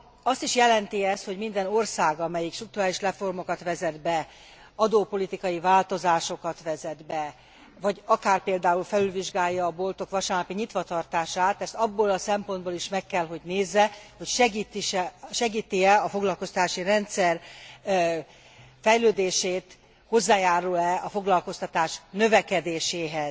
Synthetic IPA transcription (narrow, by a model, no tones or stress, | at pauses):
ɒst̪iʃjɛlɛnt̪iɛst̪ho̞ɟmind̪ɛno̞rsaːɡɒmɛjikʃt̪rukt̪uɾaːliʃrɛfo̞rmo̞kɒt̪ʋɛzɛd̪bɛ | ɒd̪oːpo̞lit̪ikɒjivaːlt̪o̞zaːʃo̞kɒt̪ʋɛzɛd̪bɛ | vɒɟɒkaːrpeːld̪aːulfɛlylviʒɡaːjːɒːbo̞lt̪o̞kʋɒʃaːnɒpiɲit̪ʋɒt̪ɒrt̪aːʃaːt̪ɛst̪ɒbːoːlɒsɛmpo̞nd̪̚boːliʃmɛkːɛlɦo̞ɟneːzːɛhocʃɛɡit̪iʃʃɛɡiːt̪iɛlɒfo̞ɡlɒlko̞st̪ɒ̥t̪aːʃirɛnt̪sɛr | fɛjløːd̪eːʃeːt̪ | ho̞zːaːjaːɾulɛʔɒfo̞ɡlɒlko̞st̪ɒt̪aːʃnø̞vɛkɛd̪eːʃeːɦɛz̥